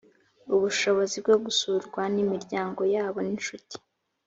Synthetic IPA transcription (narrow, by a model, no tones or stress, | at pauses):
uβuʃo̞βo̞zib̚ɡo̞ɡusuɾɡwanimiɾɟaːŋɡo̞jaːβo̞ninʃuti̥